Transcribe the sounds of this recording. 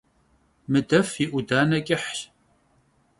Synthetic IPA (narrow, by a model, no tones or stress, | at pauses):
mɨdɐfiʔʷudaːnɐkʼɪħɕ